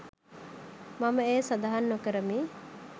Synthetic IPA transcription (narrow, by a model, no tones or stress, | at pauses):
mɐmɐeːsɐd̪ɐɦɐnːokɐɾɐmiː